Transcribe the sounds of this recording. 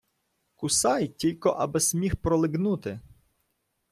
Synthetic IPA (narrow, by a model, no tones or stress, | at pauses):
kʊsɑjtʲilʲkɔʔɐbɪsʲmʲixpɾɔlˠɪɡnut̪ɪ